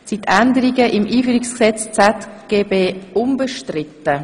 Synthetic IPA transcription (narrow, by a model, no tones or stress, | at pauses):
sit̪ʰːændəɾiɡəʔɪmʔiːfyːɾɪksksɛt͡st͡sɛtɡ̥eːbeːʊmbəʃtrɪtːə